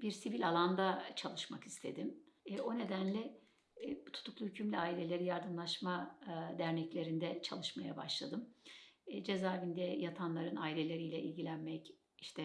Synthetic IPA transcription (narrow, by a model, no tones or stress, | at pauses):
biɾsivilʲalˠand̪at͡ʃʰalˠɯʃmaki̥st̪ʰe̞̰d̪imo̞ne̞d̪ænlʲɛ | but̪ʰu̥t̪ʰuklˠuhycʰymlʲiaːilʲe̞lʲe̞ɾijaɾd̪ɯmlˠaʃmad̪æɾnɛclʲe̞ɾind̪ɛt͡ʃʰa̰lˠɯʃmaja̰ba̰ʃlˠad̪ɯm | d͡ʒezaːɾvind̪ɛjat̪ʰanlˠaɾɯnaːilʲelʲe̞ɾijlʲɛʔilʲɟilʲænmɛc | iʃt̪ʰɛ